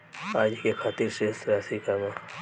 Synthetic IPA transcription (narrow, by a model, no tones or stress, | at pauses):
aːd͡ʒikekʰaːt̪iɾsesɾaːsikamã